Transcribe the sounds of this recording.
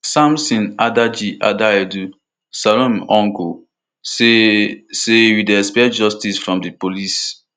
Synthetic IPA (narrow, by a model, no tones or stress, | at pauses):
sãmsĩnadad͡ʒiʔadaedu | salɔ̃mɔ̃ŋɡo | esewidɛspɛd͡ʒɔstisfɹɔ̃mdipolis